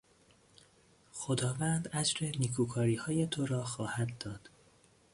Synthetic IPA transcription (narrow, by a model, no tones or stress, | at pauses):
xo̞d̪ɒːvæːnd̪æd͡ʒɾe̞nikʰuːkʰɒːɾiːhɒːje̞t̪ʰo̞ɾɒːxɒːhæd̪ːɒːd̪̥